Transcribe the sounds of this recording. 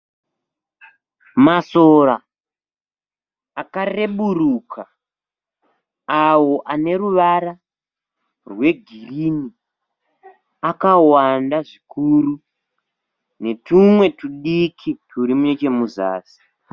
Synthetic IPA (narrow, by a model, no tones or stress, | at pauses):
maso̞ɾa | kare̞ɓurukʰa | awo̞ʔane̞ruʋaɾa | rwe̞ɡʱirini | akawandaʐikʰuru | ne̞tumwe̞tuɗikʰitʰuɾimunet͡ʃe̞muza̰ːsi̥